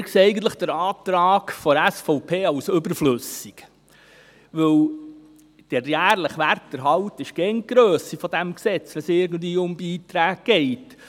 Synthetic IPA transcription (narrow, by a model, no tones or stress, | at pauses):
ɪkseɛɪɡən̩tləχd̪̥əɾɑːt̪ɾɑːkfɔɾæsfɔʊpʰeːɑwsɵbəɾflɵsik | ʋɵw | d̥əɾjæːɾləχʋærtːəɾɦɑwtɪʃkɛŋɡ̥ɾøːsifɔd̥̪æmksɛt͡sʋɛnsɪɾɡən̩dviːʊmbiːt̪ɾæːɡɡ̥ɛɪt